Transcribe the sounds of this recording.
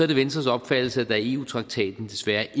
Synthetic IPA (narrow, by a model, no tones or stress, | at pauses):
ɒɐɾ̥eʋensd̥ʁɐsɒ̽b̥fæd̥l̩səæd̥æe̝ːṵːt͡sʰʁɑ̈ɡ̥̚t͡sʰɛ̰ːd̥n̩d̥e̝sʋæɐʔ